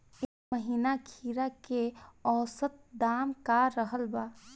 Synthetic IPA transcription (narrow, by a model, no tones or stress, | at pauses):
ekməɦiːnakʰiːɾakeɔːsət̪̚d̪aːmkaɾəɦəlba